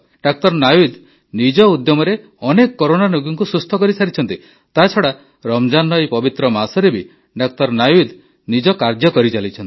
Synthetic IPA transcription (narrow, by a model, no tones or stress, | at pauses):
ɖak̚t̪ɔɾnajud̪ | nid͡ʒɔud̪jɔmɔɾe | ɔnekɔkɔɾonanuɡɔŋkusɾust̪ʰɔkɔɾisaɾit͡ʃʰɔnt̪i | t̪at͡ʃʰɔɽa | ɾɔmd͡ʒanːɔjpɔbit̪ɾɔmasɔɾebi | ɖak̚t̪ɔɾnajud̪ | nid͡ʒɔkaɾd͡ʒjɔkɔɾit͡ʃalit͡ʃʰɔni